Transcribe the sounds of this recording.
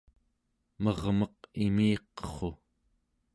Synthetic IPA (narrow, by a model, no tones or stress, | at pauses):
mʌʁmʌqimiːqʌχo̞